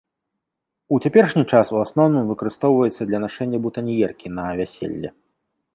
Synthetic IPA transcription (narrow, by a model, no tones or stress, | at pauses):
ut͡sʲapʲɛrʂnʲit͡ʂasuasnɔwnɨmvɨkɐɾɨst̪ɔwvɐjɛt̪sːɐd̪lʲɐnaʂɛnʲːɐbut̪ɐnʲijɛrkʲinɐvʲasʲḛlʲːɛ̰